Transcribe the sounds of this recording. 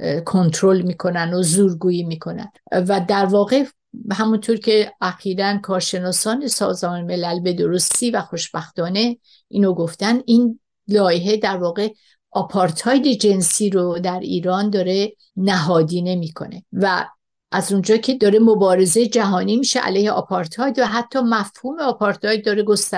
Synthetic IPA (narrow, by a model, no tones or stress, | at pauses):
kʰo̞nt̪ʰɾolmiːkʰo̞nænd̪ozuːɾɡuːjimiːkʰo̞næ̰nvæd̪æɾvɒːɣe̞ | hæmunt̪ʰoɾcʰe̞ʔæxiːɾænkʰɒːɾʃe̞nɒːsɒːne̞sɒ̰ːzmɒːneme̞lælbe̞d̪oɾo̞st̪iːvæxo̞ʃb̥æxt̪ɒːne̞ | ʔiːnoɡo̞ft̪ænin | lɒːjeɦe̞d̪æɾvɒːɣe̞ | ʔɒpʰɒɾt̪ʰɒjd̪e̞d͡ʒe̞nsiːɾod̪æɾiːɾɒːnd̪ɒːɾe̞ | næɦɒːd̪iːne̞miːkʰo̞̰ne̞væ | ʔæzund͡ʒɒːcʰe̞d̪ɒːɾe̞mobɒːɾe̞zejed͡ʒæɦɒːniːmiːʃḛʔæ̰lejheɒ̰pʰɒɾt̪ʰɒːjd̪væɦæt̪ʰːɒːmæfhuːmeɒpʰɒɾt̪ʰɒjd̪̚ːɒːɾeɡost̪æ